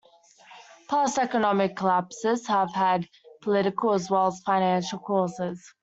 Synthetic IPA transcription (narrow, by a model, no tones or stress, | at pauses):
pʰɑˑsɛkənɒmɪkʰːəlæpsɪz̥həv̥əd̚ | pʰəlɪɾɪkəlˠəzwɛlˠəz̥faɪñæ̃nʃəl̩ˠkʰɔːˑsɪz̥